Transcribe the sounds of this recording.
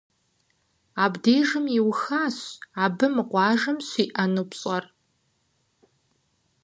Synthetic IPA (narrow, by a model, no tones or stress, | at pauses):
aːbdeːʒɨmiwxaːɕaːbɨmɨqʷɑːʒɐmɕʷiːʔɐnupɕʼɐr